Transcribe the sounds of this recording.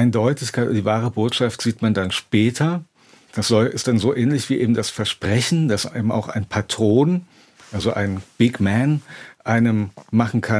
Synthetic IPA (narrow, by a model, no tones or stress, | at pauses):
ʔaɪndɔʏtʰɪçkʰaɪtdiːvaːʁ̞əboːtʃaftz̥iːtmandanʃpɛːtʰɐ | d̥asz̥ɔlʔɪst̚d̥anzoːʔɛːnlɪçv̥iːʔḛːbm̩dasfɛɐʃpʁ̥ɛçn̩d̥asḛːbm̩ʔa̰ʊxa̰ɪnpʰatʁ̥oːn | ʔalzoʔa̰ɪnb̥ɪɡmɛnʔaɪnəmmaχn̩kʰa